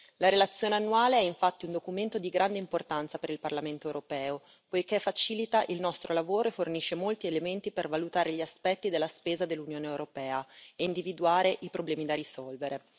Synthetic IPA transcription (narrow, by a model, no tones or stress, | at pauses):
laɾelat̪sːjoːneanːuaːleɛiɱfat̪ːiund̪okument̪od̪iɡɾʔand̪eimport̪ant̪sapeɾilparlament̪oewɾopɛːo | pojkefat͡ʃiːlit̪aʔilnɔst̪ɾʔolavoːɾoefːorniʃːemolt̪ielement̪ipervalut̪aːɾeʎiaspɛt̪ːid̪elːaspeːzad̪elːunjoːneewɾopɛːaeind̪ivid̪uaːɾeʔipɾoblɛːmid̪arisɔlveɾe